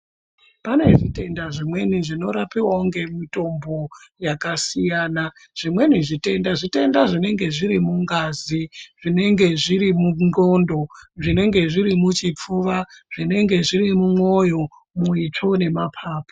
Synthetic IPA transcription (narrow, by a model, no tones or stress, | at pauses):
pane̞ʐite̞ndaʐimwe̞niʐino̞ɾapiwauŋɡe̞mito̞mbo̞jakasijaːna | ʐ̥imwe̞niʐite̞ndaʐite̞ndaʐine̞ŋɡe̞ʐiɾimuŋɡaːziʐ̥ine̞ŋɡe̞ʐiɾimunɡo̞ndo̞ʐine̞ŋɡe̞ʐiɾimut͡ʃip͡fuːʋaʐ̥ine̞ŋɡe̞ʐirimumwo̞jo̞ | muit͡ʂo̞ne̞mapʰaːpo̥